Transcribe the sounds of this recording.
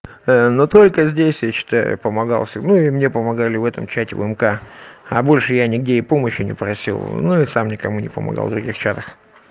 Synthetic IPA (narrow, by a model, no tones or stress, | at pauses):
ənot̪o̞lʲkəzʲdʲesʲjaɕɪ̥t̪aʊ̰pəmɐɡa̰lˠfsʲɪnuɪmnʲe̞pəmɐɡalʲɪvɛt̪əmt͡ɕætʲɪvə̰ɛmkaɐ̰bo̞lʲʂɨjanʲɪɡ̚dʲeɪpo̞məɕjʊnʲɪ̰pɾɐsʲḭlˠnuɪsamnʲɪkɐmunʲɪpəmɐ̰ɡa̰lˠd̪ɾʊɡʲixt͡ɕat̪əx